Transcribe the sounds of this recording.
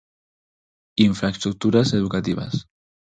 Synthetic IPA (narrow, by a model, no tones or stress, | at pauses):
iɱfɾast̪ɾuk̚t̪uɾazeðukat̪iβa̰s